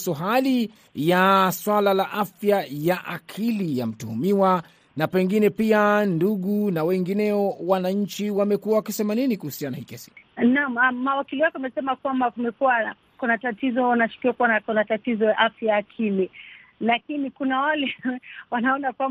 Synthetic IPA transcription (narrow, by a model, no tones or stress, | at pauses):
sɔɦali | jaswalalaʔafjajaʔakʰilija̰m̩tuhumiwa | napɛŋɡinɛpianduɠunawɛŋɡinɛɔwanaɲ̩t͡ʃiwamɛkuwawakisɛmaninikuhusianahikɛsi̥namaːawakiliwakɛamɛsɛmakwambakumɛkuwa | kunatatizɔnaʃu̥kiwakuwanakunatatizɔjaʔafjajaːkʰililakinikunawalɛwanaɔnakwa